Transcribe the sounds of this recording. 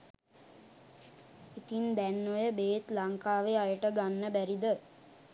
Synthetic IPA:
it̪ind̪ænːojəbeːt̪laŋkaːʋeajəʈəɡanːəbæɾid̪ə

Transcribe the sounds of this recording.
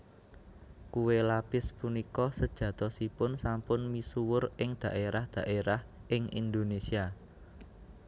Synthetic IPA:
kuwelapɪspunikɔsəd̥ʒ̥ä̤t̪ɔsipʊnsampʊnmisuwʊrʔɪŋd̪̥ä̤ʔeɾahd̪̥ä̤ʔeɾahʔɪŋḭnd̪onesia

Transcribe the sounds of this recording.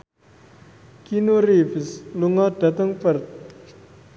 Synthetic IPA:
kinuɾifisluŋɔɖ̥at̪əŋpərt̪̚

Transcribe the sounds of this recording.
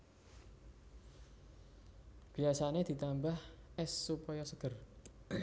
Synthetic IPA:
b̥i̤asaned̪̥i̤t̪ambahʔɛsːupɔjɔsəɡ̥ər

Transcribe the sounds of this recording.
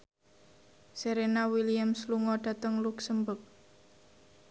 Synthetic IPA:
seɾenawiliamsluŋɔɖ̥a̤t̪əŋluksəmbək̚

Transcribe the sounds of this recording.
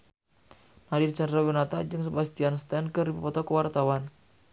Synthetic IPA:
nadirt͡ʃandɾawinat̪ad͡ʒɨŋsəbast̪ianst̪ɛnkɨrdipəpɔt̪ɔkəwart̪awan

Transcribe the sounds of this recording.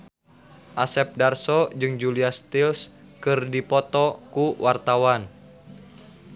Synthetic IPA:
ʔasɛp̚darsɔd͡ʒɨŋd͡ʒuliast̪ils | kɨrdipɔt̪ɔkuwart̪awan

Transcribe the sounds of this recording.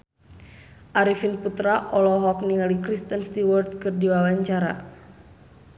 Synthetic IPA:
ʔaɾifinput̪ɾaʔɔlɔɦɔk̚niŋalikɾist̪ənst̪iwɔrt̪̚kɨrdiwawaɲt͡ʃaɾa̰

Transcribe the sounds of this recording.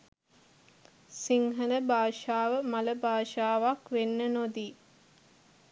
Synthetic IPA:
siŋɦələbaːʃaːʋəmɐləbaːʃaːʋakʋenːənod̪i

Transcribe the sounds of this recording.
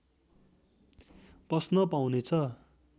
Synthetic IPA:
prʌsnʌpaw̃net͡sʰʌ

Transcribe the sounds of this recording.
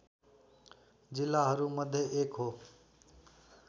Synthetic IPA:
d͡ʒɪlːaːɦəɾũːməd̪ʱjeʔeːkɦoː

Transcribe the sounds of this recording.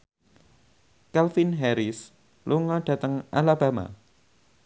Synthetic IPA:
kɛlfinɦɛɾɪs | luŋɔɖ̥a̤t̪əŋʔalaba̤ma̰

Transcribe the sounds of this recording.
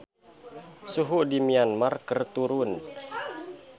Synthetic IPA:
suɦudimianmarkərt̪uɾun

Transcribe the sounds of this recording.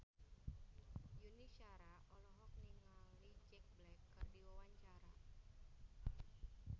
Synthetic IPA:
juniʃaɾaʔɔlɔɦɔk̚niŋalid͡ʒɛk̚blɛkːɨrdiwawaɲt͡ʃaɾa

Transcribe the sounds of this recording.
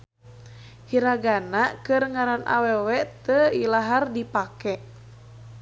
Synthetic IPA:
hiɾaɡanakɨrŋaɾanʔa̰wɛwɛt̪əilaɦardipakɛʔ

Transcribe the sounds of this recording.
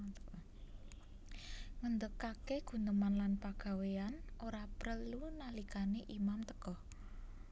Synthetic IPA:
ŋənd̪əkːakeɡ̥ṳnəmanlanpaɡ̥a̤weanʔoɾapɾəlunalikaneʔimamt̪əkɔh

